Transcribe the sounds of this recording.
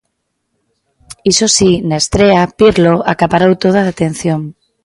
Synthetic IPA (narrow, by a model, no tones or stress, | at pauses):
isosinest̪ɾeapiɾloakapaɾawt̪oð̞aðat̪ẽn̟θjoŋ